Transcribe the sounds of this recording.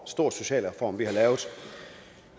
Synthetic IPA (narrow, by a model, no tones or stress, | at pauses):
sd̥o̝ɐ̰d̥so̝ɕɛ̰ːlʁfɒ̰ːmʋihɑ̈lɛːʊð̩ˠ